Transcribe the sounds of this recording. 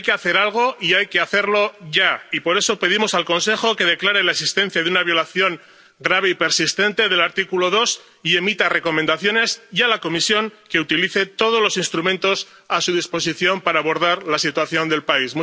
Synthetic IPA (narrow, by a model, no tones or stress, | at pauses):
jkeaθe̞ɾalɣ̞o̞iajke̞aθe̞ɾlo̞ʝaipo̞ɾe̞so̞pe̞ð̞imo̞salko̞nse̞xo̞ke̞ð̞e̞klaɾe̞laesist̪e̞nθjaðunaβjo̞laθjo̞ŋ | ɡɾaβ̞e̞ipe̞ɾsist̪e̞nt̪e̞ðe̞laɾt̪ikulo̞ð̞o̞s | ie̞mit̪are̞ko̞mẽnd̪aθjo̞ne̞sjalako̞misjo̞ŋke̞ut̪iliθe̞t̪o̞ð̞o̞zlo̞sinst̪ɾumẽ̞nt̪o̞s | asuðispo̞s̬iθjo̞mpaɾaːβo̞ɾðaɾlasit̪waθjo̞nd̪e̞lpaismu